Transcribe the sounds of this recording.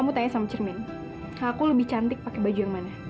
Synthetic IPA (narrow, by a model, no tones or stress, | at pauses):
amut̪aɲasamat͡ʃərmɛn | akuləbɪht͡ʃant̪ɪk̚pakɛbad͡ʒujaŋmana